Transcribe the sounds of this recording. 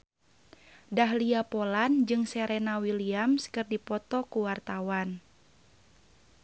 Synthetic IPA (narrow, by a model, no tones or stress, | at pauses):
daɦliapoland͡ʒɨŋsɛɾɛnawiliamskɨrdipɔt̪ɔkuwart̪awan